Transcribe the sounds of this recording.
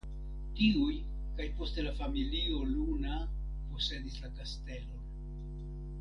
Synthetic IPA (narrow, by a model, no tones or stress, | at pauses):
tiuj | kajpo̞ste̞lafamilio̞luna | po̞se̞dislakaste̞lo̞n